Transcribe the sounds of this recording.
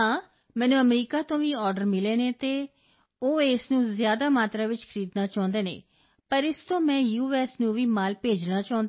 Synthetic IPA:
ãː | mɛ̃ːnũːəmɾiːkaːt̪õːʋiːɔːɾɖəɾmɪleːneːt̪eː | oːeːsnũːzjaːd̪aːmaːt̪ɾaːʋɪt͡ʃkʰəɾiːd̪naːt͡ʃaːʊ̃nd̪eːnḛː | pəɾɪst̪õːmɛ̃ːjuːɛːsnũːʋiːmaːlpeːd͡ʒnaːt͡ʃãːnd̪

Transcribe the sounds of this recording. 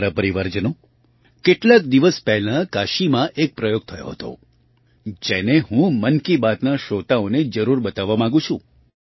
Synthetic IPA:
ɾəpəɾiʋəɾd͡ʒənõ | keʈlak̚d̪iʋəspɛɦlãkaʃimãʔek̚pɾəjoɡ̚t̪ʰəjo̰ɦət̪o̰ | d͡ʒeneɦũmənkibat̪naʃot̪aoned͡ʒəɾuɾbət̪aʋːamãɡũt͡ʃʰṵ̃

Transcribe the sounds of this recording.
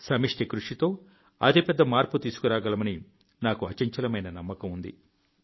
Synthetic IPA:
sɐmiʂʈekɾuʂit̪o̞ː | ɐ̰d̪ipɛd̪ːɐmaːɾput̪iːsu̥kuɾaːɡɐlɐmɐni | naːkuɐt͡ʃɐɲt͡ʃɐlɐmɐjnɐnɐmːɐkɐmund̪ḭ

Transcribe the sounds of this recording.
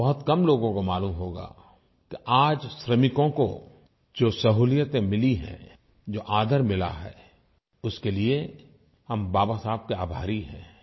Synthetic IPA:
bɐɦʊt̪kɐmloːɡõkomaːluːmɦoːɡa̰ː | kiʔaːd͡ʒʃɾəmɪkõko̰ | d͡ʒoːsɐɦuːlijət̪ẽmɪliɦɛ̰̃ | d͡ʒoːʔaːd̪ʱəɾmɪla̰ɦɛ̰ː | ʊskelie | hɐmbaːbasaːb̚keaːbʱaːɾiɦɛ̰̃ː

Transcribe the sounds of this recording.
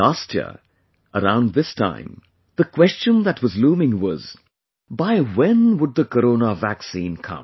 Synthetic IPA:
lastʰjɪ̰ | ʔəɾã̰ʊ̃nðɪstʰã̰ɪ̃m | ðəkʰw̥ɛst͡ʃɨ̃nðɨtwʌzlũːmɪ̃ŋwʌz̥ | baɪwɛ̃nwʊd̪̚ðəkəɾoʊnəvæksĩnkʰʌ̰̃m

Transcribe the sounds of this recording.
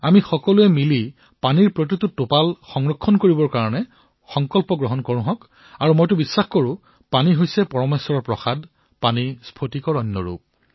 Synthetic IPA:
amixɔkɔluɛmili | paniɹpɹot̬itutopalxɔŋɹɔkʰːɔnkoɹibɔɹkaɹɔnɛ | xɔŋkɔlpɔɡɹɔɦɔnkɔɹʊ̃ɦɔk | aɹumojtʊbisːaxkoɹʊ̃ | paniɦojsɛpɔɹɔmesɔɹɔɹpɹɔxad | panispʰotikɔɹɔnːɔ̰ɹṵp̚

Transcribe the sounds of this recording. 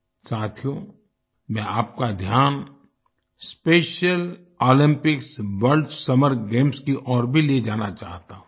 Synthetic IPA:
saːt̪ʰijo | mɛ̃aːp̚kad̪ʱjaːn | speːʃəl | oːlɪ̃mpɪksʋəɾlɖsɐməɾɡẽːmskiʔɔːɾbʱileed͡ʒaːnat͡ʃaːɦt̪aːɦũ

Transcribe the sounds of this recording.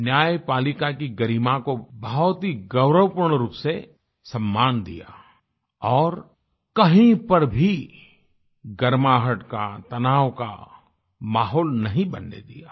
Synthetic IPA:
njaːjpaːlɪkakiɡɐɾiːmãkobɐɦɔt̪ɦiɡɐʊɾəʋpʊɾɽɳ̃ɾuːpse | sɐ̃mːaːnd̪ḭja̰ | ɔːɾ | kɐɦĩpɐɾbʱi | ɡɐɾmaːɦəʈka̰t̪ɐnaːʋka̰ | maːɦɔːlnɐɦĩbɐnːḛd̪ijaː

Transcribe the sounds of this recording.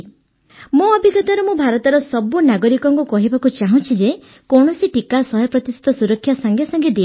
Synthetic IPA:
mũɔbʱiɡɔt̪aɾɔmũbʱaɾɔt̪ɔɾɔsɔbunaɡɔɾikɔŋkukɔɦibakut͡ʃaɦũt͡ʃʰid͡ʒe | kɔɳ̃ɔsiʈikasɔɦjɔpɾɔt̪ist̪ɔsuɾɔkʰːjasaŋɡʱjasɔŋɡed̪i

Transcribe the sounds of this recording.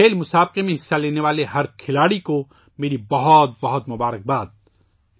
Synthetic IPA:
eːlmʊsaːb̚qemẽɦɪsːaleːneʋaːleɦɐɾkʰɪlaːɽiko | meːɾibɐɦɔt̪̚bɐɦɔt̪mʊbaːɾək̚baːd̪̚

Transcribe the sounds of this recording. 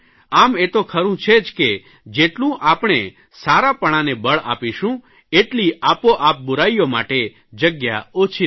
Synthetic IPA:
amet̪okʰəɾũt͡ʃʰed͡ʒke | d͡ʒeʈlũʔapɳ̃e | saɾapəɽ̃anebəɭa̰piʃũ | eʈliʔapoʔap̚bʊɾaijoma̰ʈe | d͡ʒəɡja̰ot͡ʃʰi

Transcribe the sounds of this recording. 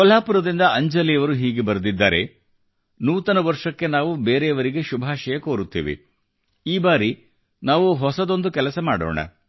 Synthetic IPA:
kɔlaːpuɾɐd̪ind̪ɐɐɲd͡ʒɐliɐʋɐɾuɦiːɡe̞bɐɾd̪id̪ːa̰ːɾe̞̰ | nuːt̪ɐnɐʋɐɾʂɐkːe̞naːʋube̞ːɾejɐʋɐɾiɡe̞ʃubʱaːʃɐjɐkoːɾut̪ːḭːʋḭ | iːbaːɾi | naːʋuɦɔsɐd̪o̞nd̪ukɛlɐsɐmaːɽo̰ːɳɐ̰

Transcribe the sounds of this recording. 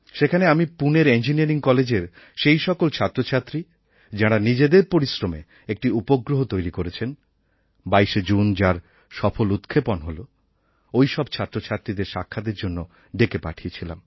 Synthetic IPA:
ʃekʰaneamipuneɾend͡ʑiniaɾiŋkɔled͡ʑeɾ | ʃejʃɔkolt͡ɕʰat̪ːɾot͡ɕʰat̪ːɾi | d͡ʑaɽ̃anid͡ʑed̪eɾpoɾisɾomḛ | ek̚ʈiupoɡɾoɦot̪ojɾikoɾet͡ɕʰen | bajʃed͡ʑund͡ʑaɾ | ʃɔfolut̪kʰeponɦolo | ojʃɔbt͡ɕʰat̪ːɾot͡ɕʰat̪ːɾid̪eɾʃa̰kʰːad̪eɾd͡ʑonːo | ɖekepa̰ʈʰiet͡ɕʰila̰m

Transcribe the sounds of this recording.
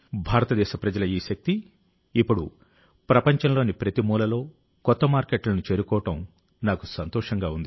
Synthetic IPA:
bʱaːɾɐt̪ɐd̪ɛːʃɐpɾɐd͡ʒɐlɐiːʃɐk̚t̪iː | pːuɽu | pɾɐpɐɲt͡ʃɐnlo̞ːnipɾɐt̪imuːlɐlo̞ː | kɔt̪ːɐmaːɾkeʈlɐnut͡ʃe̞ːɾukɔːɐʈɐm | naːku̥sɐnt̪ɔːʂɐŋɡaːund̪i

